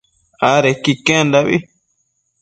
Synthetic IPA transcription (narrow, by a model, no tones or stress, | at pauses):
aɾekikẽnd̪aβḭ